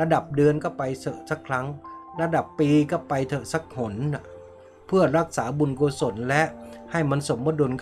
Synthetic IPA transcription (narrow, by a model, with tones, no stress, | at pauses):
ɾa˧da˨˩p̚dɯː˧ənkɔ˥˩pa˧jsɤ˧˩sa˦˥kʰɾa˦˥ŋɾa˧da˨˩pːiː˧kɔ˥˩pa˧jt̪ʰɤ˨˩sa˦˥k̚ho˩˦na˨˩ | pʰɯ˥˩əɾa˦˥k̚saː˩˦bu˧nkoː˧so˩˦nlɛ˦˥ʔha˥˩jma˧nso˩˦mːɔ˧˦du˧nk